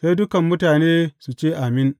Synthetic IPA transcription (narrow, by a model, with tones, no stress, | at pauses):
sa˦jdʊ˦kɐ˨mːʊ˦taː˨neː˦su˨t͡ʃeː˦ʔa˨mɪ˦n